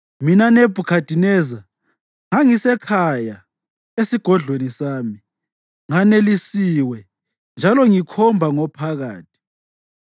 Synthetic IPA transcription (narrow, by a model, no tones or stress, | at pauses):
minaneb̥ʱukʰad̥ʱinɛːza | ŋaŋisɛkʰaja | esiɡ̥ʱɔɮwenisaːmi | ŋanelisiwɛ | nd͡ʒʱalɔŋikʰɔmbʱaŋɔpʰaɣaːt̚ʰi̥